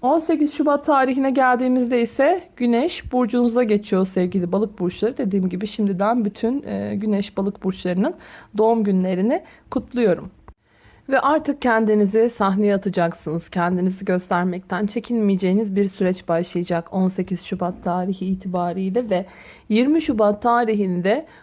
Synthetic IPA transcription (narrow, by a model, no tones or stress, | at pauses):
o̞nse̞cizʃubat̪ʰːaːɾiɦinɛɟælʲd̪iːmizd̪ɛisɛɟ̥ynɛʃbuɾd͡ʒunuzaɟe̞t͡ʃʰijo̞sɛvɟilʲibalˠɯk̚buɾt͡ʃlˠaɾɯd̪e̞d̪iːmɟibiʃimd̪id̪ænbyt̪ʰynːɟynɛʃbalˠɯkbuɾt͡ʃlˠaɾɯnɯnd̪o̞umɟynlʲe̞ɾinɪkʰut̪ʰlˠujo̞ɾum | vɛʔaɾt̪ʰɯk̚cːʰɛnd̪inizɪsaɦnejɛat̪ʰɯd͡ʒaksɯnɯz̥cʰɛnd̪iniziɟø̞st̪ʰæɾmɛc̚t̪ʰænt͡ʃʰe̞cʰinmijed͡ʒe̞jinizbiɾsyɾɛt͡ʃbaʃlˠɯjad͡ʒako̞nse̞cʰiz̥ʃubat̪ʰːaːɾiçiːt̪ʰibaːɾijlʲɛvɛ | jiɾmiʃubat̪ʰːaːɾiɦind̪ɛ